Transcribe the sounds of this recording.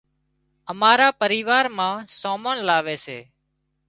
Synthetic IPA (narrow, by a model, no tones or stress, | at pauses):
əmaːɾaːpəɾiːʋaːɾmãːsoːməɳlaːʋeːsḛː